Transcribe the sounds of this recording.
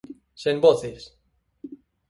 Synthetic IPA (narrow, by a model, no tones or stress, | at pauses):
semboθes